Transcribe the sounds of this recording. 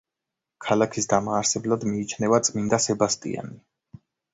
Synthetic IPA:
kʰalakʰisd̪amaːɾsɛblad̪miːt͡ʃʰnɛvat̪sʼmind̪asɛbast̪ʼḭa̰ni

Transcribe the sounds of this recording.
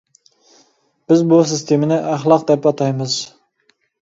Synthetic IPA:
b̥ɪzbus̬ɪst̪ʰemɪnɪʔæχlˠɑq̚d̪ɛpɑt̪ʰɑjmɨz

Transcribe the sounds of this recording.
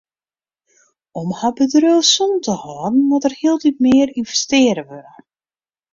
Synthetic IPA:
ɔmhabədrøsuntəhɔːdn̩mɔtərhiəlˠdipmɪːəɾinvɛstɪəɾəʋørə

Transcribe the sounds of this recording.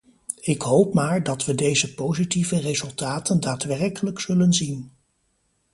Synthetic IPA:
ɪkɦowpmaːɹdɑtʋədejzəpowzitivərezɵlˠtaːtəndaːtʋɛrkələksɵlənzin

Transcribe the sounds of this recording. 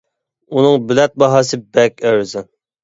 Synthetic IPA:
unɨŋbylɛt̪̚bɑɦɑːsɨbɛkʲæwzɨ

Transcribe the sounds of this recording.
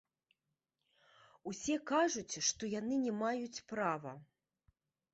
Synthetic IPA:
usʲɛkaʐut͡sʲʂt̪ɔjanɨnʲɛmajut͡sʲpɾavɐ

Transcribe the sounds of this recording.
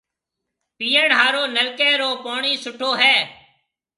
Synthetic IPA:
piːəɳɦaːɾoːnəlkeːɾoːpoːɳiːsʊʈʰoːɦɛː

